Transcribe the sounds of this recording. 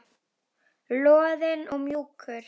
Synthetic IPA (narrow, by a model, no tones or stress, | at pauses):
loːðɛnɔmjuːkʰəɾ